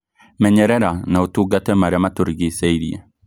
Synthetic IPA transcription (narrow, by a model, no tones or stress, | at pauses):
mɛɲɛɾɛɾanaotuɡatɛmaɾamatoɾɡisɛiɾiɛ̰